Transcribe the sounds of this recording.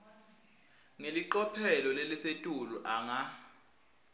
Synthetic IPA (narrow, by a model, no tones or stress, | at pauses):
ŋeliǃɔpʰɛlɔlelisetʼuluʔaŋa